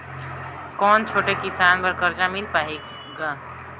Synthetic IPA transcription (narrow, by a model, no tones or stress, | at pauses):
kɔːnt͡ʃʰoʈekisanpəɾkəɾd͡ʒamilpaɦik | ɡa